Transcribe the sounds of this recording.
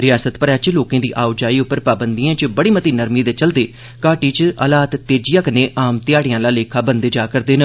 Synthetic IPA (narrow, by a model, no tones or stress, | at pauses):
ɾɪjaːsət̪pəɾɛːt͡ʃloːkːd̪iːʔaːʊd͡ʒaːiːʊpːəɾpaːbənd̪ijãːt͡ʃbəɽiːmət̪iːnəɾmiːd̪eːt͡ʃəld̪eː | kaːʈiːt͡ʃəlaːt̪t̪eːd͡ʒɪjãːkəneːʔaːmt̪ɪjaːɽɪjãːlaːleːkʰaːbənd̪eːd͡ʒaːkəɾd̪eːnə